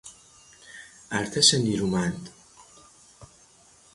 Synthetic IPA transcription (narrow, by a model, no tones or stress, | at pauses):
ʔæɾt̪ʰeʃeniːɾuːmænd̪̥